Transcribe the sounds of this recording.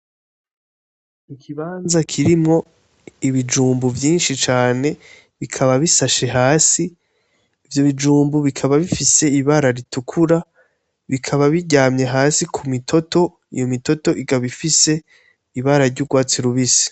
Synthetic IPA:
ikʰiβaːnzakʰiɾimŋo̞ | iβid͡ʒuːmbuvjiːnʃit͡ʃaːne̞ | βikʰaβaβisaʃe̞ɦaːsiː | vjo̞βid͡ʒuːmbuβikʰaβaβifise̞iβaɾaɾitukʰuɾa | βikʰaβaβiɟaːmɲeɦaːsikʰumitʰo̞to̞ | ijomito̞to̞ʔiɡaβifise̞ | iβaɾaɾɟuɡwaːt͡siɾuβisi̥

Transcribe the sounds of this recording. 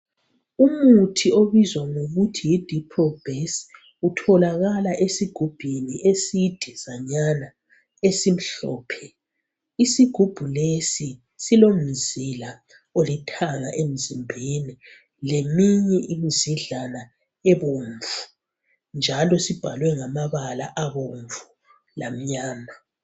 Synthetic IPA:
umutʰioβizwaŋoɣutʰijid̥ʱipʰɔlb̥ʱes | utʰɔlaɣalaʔesiɡ̥ʱub̥ʱiniʔesid̥ʱɛzaɲana | esim̩ɬɔ̰ːpʰɛ | isiɡ̥ʱub̥ʱulesi | silom̩zila | olitʰaŋa̰ʔem̩zimbʱeni | lemiɲɛʔimiziɮana | eβuɱvu̥ | nd͡ʒʱalɔsib̥ʱalwɛŋamaβalaʔaβoɱvu | lam̩ɲaːna

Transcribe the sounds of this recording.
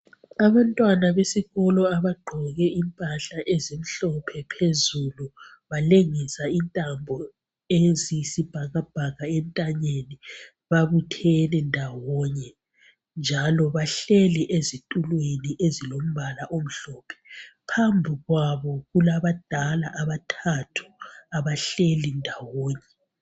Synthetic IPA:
aβantʼwanaβesiɣɔlɔaβaɡ͡ǃʱɔɣɛimpʼaɬaʔezim̩ɬɔpʰɛpʰezulu | βaleŋisaintʼambʱɔ | ezisib̥ʱaɣab̥ʱaɣaɛntʼaɲeni | βaβutʰɛlɛndʱawɔɲɛ | nd͡ʒʱalɔβaɬɛlɛʔezitʼulweniʔezilom̩βalaʔom̩ɬɔːpʰɛ̥pʰambʱiɣwaβɔɣulaβad̥ʱalaʔaβatʰatʰu̥aβaɬelindʱawɔːɲɛ

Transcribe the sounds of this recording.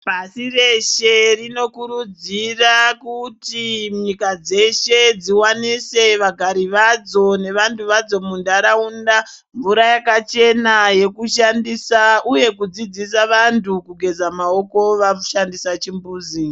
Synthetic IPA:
pasireʃerino̞kuɾud͡zirakutiɲikad͡ze̞ʃe̞d͡ziwanise̞ʋaɡʱaɾiʋad͡zo̞ne̞ʋantuʋad͡zo̞mundaɾaunda | ɱvuɾajakat͡ʃe̞naje̞kuʃandisauje̞kud͡zid͡zisaʋantukuɡʱe̞d͡zamao̞ko̞ʋaʃandisat͡ʃimbuːzi

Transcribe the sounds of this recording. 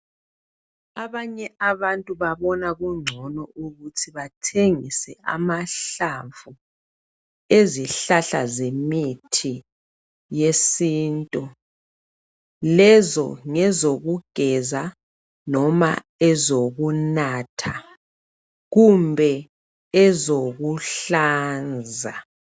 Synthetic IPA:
aβaɲɛʔaβantʼuβaβɔnaɣuŋ͡ǀʱɔnɔʔuɣutʰiβatʰeŋisɛʔa̰maɬaɱvu | eziɬaɬazemitʰi | jesiːntʼu | lɛzɔ̰ŋɛzoɣuɡ̥ʱɛza | nɔma̰ | ɛzoɣunaːtʰa | ɣumbʱɛ | ɛzoɣuɬaːnd͡zʱa

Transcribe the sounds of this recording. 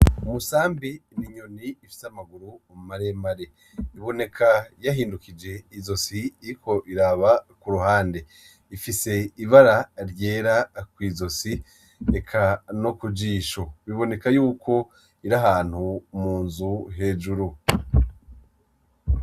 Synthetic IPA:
umusaːmbiniɲo̞niːfi̥samaɡuɾuomumaɾe̞maɾe̞ | iβo̞ne̞kʰajaɦiːndukid͡ʒe̞izo̞siːɾikʰo̞ʔiɾaβakuɾuɦaːnde̞ | ifise̞iβaɾaɾje̞ːɾakwiːzo̞si | ekʰanokud͡ʒiːʃo̞βiβo̞ne̞kajuːkʰo̞ | iɾaɦaːn̥humuːnzuɦe̞ːd͡ʒuɾu

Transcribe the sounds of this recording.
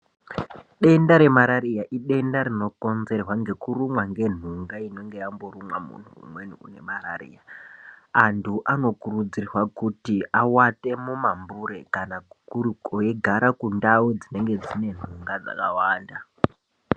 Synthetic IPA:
ɗe̞ndaɾe̞maɾaɾijaʔiɗe̞ndaɾino̞ko̞nze̞rwaŋɡe̞kurumwaŋɡe̞n̤uŋɡaino̞ŋɡejambo̞ɾumwamṵn̤uṵmwe̞nuṵne̞mararḭja | antʰuʔano̞kurud͡zirrwakutiawate̞mumambuɾe̞kanaɡʱukurukojeɡʱaɾakundaud͡zine̞ŋɡe̞d͡zine̞n̤uŋɡad͡za̰kawaːnda

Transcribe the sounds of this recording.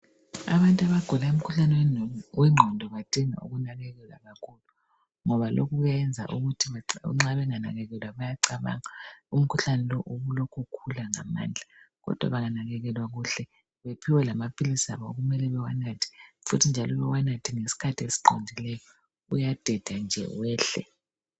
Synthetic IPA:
a̰βantʼuaβaɡ̥ʱulaum̩kʰuɬanɛwwɛŋ͡ǃʱɔndʱɔβad̥ʱiŋa̰ṵɣunaɣɛɣɛlwa̰ɣakʰulu | ŋɔβalʔo̰ɣuɣjaɛnd͡zʱa̰ʔuɣutʰiβaŋ͡ǁaβɛŋana̰ɣɛɣɛlwaβajaǀaβa̰ŋaum̩kʰuɬanɛlɔʔuɣulɔkʰɔkʰulaŋa̰ma̰ːnd͡ɮʱaɣɔ̰d̥ʱwa̰βaŋanaɣɛɣɛlwaɣuːɬɛ | βepʰiwɛlamapʰilisiaβɔɣumɛlɛβɛwanatʰi̥futʰind͡ʒʱalɔβɛwanatʰiŋesi̥kʰatʰiesi̥ǃondʱilɛjɔ | ujad̥ʱɛd̥ʱand͡ʒʱɛ̰wɛːɬɛ̰

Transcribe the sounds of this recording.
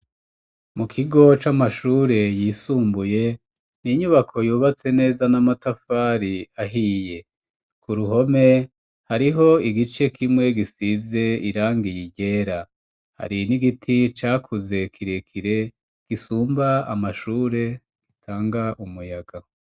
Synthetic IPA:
mukʰiɡo̞t͡ʃamaʃuːɾe̞jiːsuːmbuje̞ | niɲuβakʰo̞juːβat͡se̞ne̞ːzanamatafaːɾiaɦije̞ | kuɾuɦo̞me̞ | haɾiɦo̞iɡit͡ʃe̞kʰimŋe̞ɡisize̞iɾaːŋɡijiɟe̞ːɾa | ha̰ɾiniɡitʰit͡ʃaːkʰuze̞kʰiɾe̞kʰiɾe̞ | ɡ̥isuːmbaa̰maʃuːɾe̞ | ɡ̥itʰaːŋɡaʔumujaɡa

